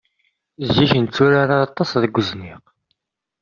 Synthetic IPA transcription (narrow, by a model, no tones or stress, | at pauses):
zːiçənt͡sːuɾaɾaɑt̪ˤːɑsðəɡʷːəzniq